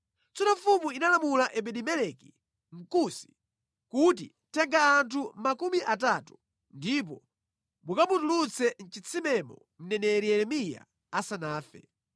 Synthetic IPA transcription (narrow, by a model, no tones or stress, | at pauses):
t͡sɔnɔfumuinalamulaʔɛɓɛɗimɛlɛki | ŋ̩kusi̥ | kut̬i | tɛŋɡaːntʰumakumiʔatatu̥ | ndip̬ɔ | mukaputulut͡sʰɛn̩t͡ʃit͡sʰimɛmɔ | m̩nɛnɛɾiɛɾɛmija̰ | asanaːfɛ̰